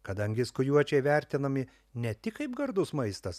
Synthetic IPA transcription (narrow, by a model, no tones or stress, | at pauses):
kɐd̪ɐŋʲɡʲɪskʊjuɔt͡ʃʲɛɪʋʲæˑɾʲt̪ʲɪnɐmʲɪ | nʲɛt̪ʲɪkɐɪpɡɐɾd̪ʊsmɐɪst̪ɐs